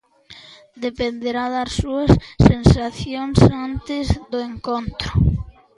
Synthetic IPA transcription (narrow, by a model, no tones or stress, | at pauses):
d̪epend̪eɾaðassuɐsːensaθjoŋsant̪ɪzðʊeŋkont̪ɾʊ